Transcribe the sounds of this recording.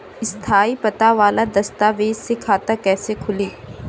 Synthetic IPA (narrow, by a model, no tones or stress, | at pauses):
ɪst̪ʰaːipɐt̪aʋaːlad̪ɐst̪aːʋeːzsekʰaːt̪akɛːsekʰʊliː